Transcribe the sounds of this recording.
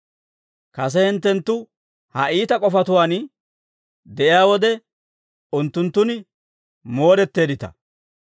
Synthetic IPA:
kɐs̬ɛhɪnt̪ːɛnt̪ːʊ | hɐʔiːt̪ɐkʼɔfɐt̪ʊwaːn | d̪ɛʔɪjaːwɔd̪ɛ | ʊnt̪ːʊnt̪ːʊnɪ | mo̞ːɾɛt̪ːe̞ːd̪ɪt̪ɐ̰

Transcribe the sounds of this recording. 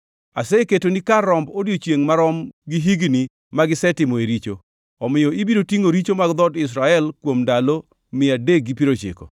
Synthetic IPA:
aseketonikaɾɔmbodjot͡ʃjeŋmaɾɔmɡiɦiɡni | maɡɪsɛtɪmɔeɾit͡ʃo̰ | ɔmɪjɔibiɾotiŋoɾit͡ʃomaɡd̪ɔdɪs̬ɾaɛlkwomndalo | mɪadek̚ɡipiɾot͡ʃɪ̰kɔ̰

